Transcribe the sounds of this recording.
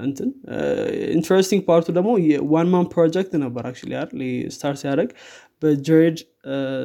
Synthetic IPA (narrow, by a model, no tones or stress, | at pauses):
ʔɨ̰nt̪ʰɨn | ɪ̰nt̪ʰəɾɛst̪iŋɡ̚pʰaɾt̪ʰud̪əɡmo̞jɛwanmãnpʰːɾod͡ʒɛk̚t̪nəbːəɾʔak̚t͡ʃṵlḭjaɾlist̪ʰaɾt̪ijaɾəɡ | bəd͡ʒəed̪